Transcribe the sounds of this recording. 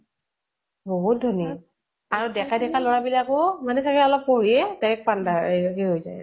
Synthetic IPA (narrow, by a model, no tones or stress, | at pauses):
boɦut̚dʱɔni | aɹudɛkʰadɛkʰalɔɹabilakʊmanɛsakɛɔlɔpːoɹiɛtaɹɛk̚pandaeɦeɦojzaj